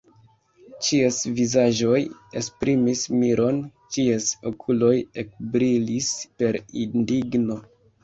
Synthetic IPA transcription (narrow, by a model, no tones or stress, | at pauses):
t͡ʃiesvizaʒo̞jespɾʔimismiɾʔo̞nt͡ʃieso̞kʰulo̞jek̚bɾilispe̞ɾindiɡno̞